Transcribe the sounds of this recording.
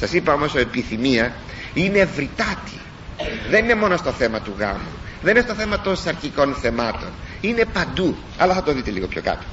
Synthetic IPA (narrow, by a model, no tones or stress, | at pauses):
sɐsipɐo̞mo̞soepiθimiɐ | ine̞vɾit̪ɐt̪i̥ | ðe̞nine̞mo̞no̞st̪o̞θe̞mɐt̪uɣɐ̰mṵðeninest̪o̞θe̞mɐt̪o̞nsɐɾçiko̞nθe̞mɐt̪o̞̰nine̞pɐnd̪u | ɐ̰lɐθɐt̪oðit̪e̞liɣo̞pço̞̰kɐ̰t̪o̥